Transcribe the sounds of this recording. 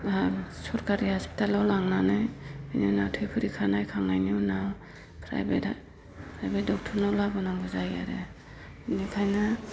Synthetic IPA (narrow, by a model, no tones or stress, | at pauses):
asɔɾkaɾihaspi̥talawlaŋnanɯjanunawtʰɯjpʰɯɾikʰanajkʰaŋajnuwnaw | pʰɾa̰jbe | pʰɾajbedɔk̚tʰɔɾnawlabɔnaŋɡɔzaja̰ɾḛ | nikʰajna